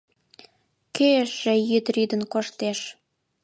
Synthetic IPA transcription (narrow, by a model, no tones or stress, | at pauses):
keəʃĕjyd̪ɾyd̪ə̆nkoʃt̪eʃ